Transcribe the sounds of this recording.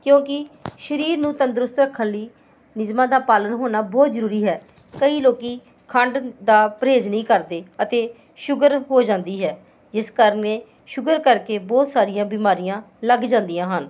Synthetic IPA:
kjõːkɪʃəɾiːɾnũːt̪ənd̪ɾʊst̪ɾəkʰːənliː | nɪzmãːd̪aːpaːlənɦoːnaːbɔːt̪zəɾuːɾiːɦɛː | kəiːloːkiː | kʰəɳɖd̪aːpɾeːd͡ʒnəĩːkəɾd̪eːət̪eː | ʃʊɡəɾɦoːd͡ʒãːnd̪iːɦɛː | d͡ʒɪskaːɾəneː | ʃʊɡəɾkəɾkeːbɔːt̪saːɾɪjãːbiːmaːɾijãː | ləɡd͡ʒãːnd̪ijãːɦən

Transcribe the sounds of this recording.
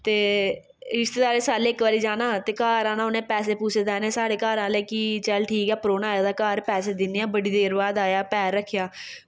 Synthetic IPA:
t̪eː | ɾɪʃt̪eːd̪aːɾeːsaːleːɪkʋaːɾiːd͡ʒaːnãːt̪eːkaːɾãːnãːʊnẽːpɛːseːpuːsʰeːd̪ɛːneːsaːɽeːkaːɾãːleːkiːt͡ʃɛlʈʰiːkɛːpɾoːnaːjaːd̪aːkaːɾpɛːseːd̪ɪnːeːãːbəɽiːd̪eːɾbaːd̪aːjaːpɛːɾːəkʰːjaː

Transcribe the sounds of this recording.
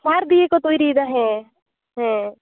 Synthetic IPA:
maːɾd̪iekot̪oːiɾiːd̪aɦɛ̃ː | ɦɛ̃ː

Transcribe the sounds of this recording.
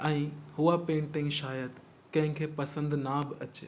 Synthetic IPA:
ɛ̃ːhʊapẽːɳʈɪ̃ŋɡʃaːjəd̪ | kɐ̃ɦɪ̃kʰeːpɐsə̃nd̪nabɪɐt͡ɕeː

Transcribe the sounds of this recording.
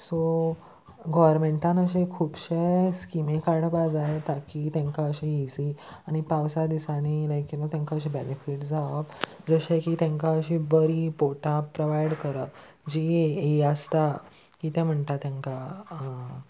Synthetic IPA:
so | ɡɔʋɾmẽɳʈãnəɕekʰuːbɕeskimekaɽpad͡zajet̪akit̪ɛ̃ŋkaəɕiisiañipawsad̪isaniləjkinat̪jãŋkaəɕẽbenefiʈd͡zaəp | d͡zəɕekit̪ɛ̃ŋkaəɕibəɾipoʈãpːɾoʋajɽkəɾə | d͡ʑieeəst̪a | kit̪ɛ̃m̤əɳt̪at̪jãŋka

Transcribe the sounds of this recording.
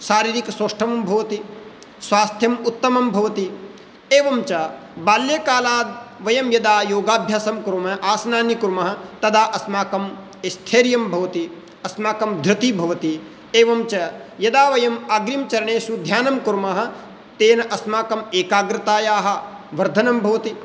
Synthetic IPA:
saːɾiːɾikɐsoːʂʈʰɐmɐmbʱɐʋɐt̪i | sʋaːst̪ʰjɐmut̪ːɐmɐmbʱɐʋɐt̪i | eːʋɐmt͡ʃɐbaːljɐkaːlaːd̪̚ʋɐjɐmjɐd̪aːjoːɡaːbʱjaːsɐmkuɾmɐʔaːsɐnaːnjikuɾmɐɦɐ̆t̪ɐd̪aːʔɐsmaːkɐm | est̪ʰeːɾjɐmbʱɐʋɐt̪i | ɐsmaːkɐmd̪ʱɾɪt̪ibʱɐʋɐt̪i | eːʋɐmt͡ʃɐjɐd̪aːʋɐjɐmaːɡɾimt͡ʃɐɾɐɳeːsud̪ʱjaːnɐmkuɾmɐɦɐ̆ | t̪eːnɐʔɐsmaːkɐmeːkaːɡɾɪt̪aːjaːɦɐ̆ | ʋɐɾd̪ʱɐnɐmbʱɐʋɐt̪i

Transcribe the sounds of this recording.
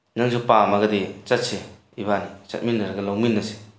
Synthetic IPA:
naŋsupamaɡadet͡ʃat̚se | iβanit͡ʃa̰t̚minːaɾɡalawminːase̥

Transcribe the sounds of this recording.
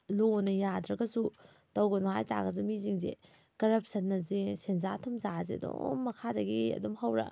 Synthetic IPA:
lonɐjadɾɐɡɐsu | tɐwɡɐnɐɦajta̰ɡɐs̬umiziŋzḛ | kɐɾɐp̚ʰsɐnːɐzesenzatʰumzazeɐdo̰mːɐkʰadɐɡiɐ̰dumhawɾɐ̰

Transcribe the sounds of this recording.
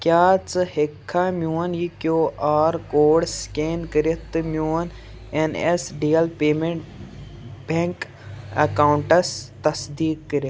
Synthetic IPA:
kʲjaːt͡sɨhekʰːaːmjuːɐnjikjoːʔaːɾkoːɽskeːnkəɾet̪ɨmjuːn | enesɖiːɐlpeːmeɳʈ | beŋk | ɐ̰kaːwuɳʈɐst̪ɐsd̪iːkːəɾet̪

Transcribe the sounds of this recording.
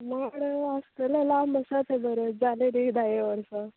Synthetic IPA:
maɽəast̪əlalaməsat̪ʰebəɾəd͡zaleɾid̪ajeʋəɾsa

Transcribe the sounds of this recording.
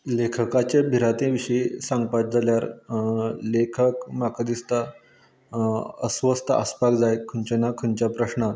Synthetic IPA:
lekʰəkat͡ɕebʱiɾat̪ẽʋiɕəisãŋɡpat̪̚d͡zʱaljaɾ | lekʰəkmakad̪ist̪a | ə̰sʋəst̪ʰəa̰spakd͡zajkʰənt͡ɕenakʰənt͡ɕapɾəɕna

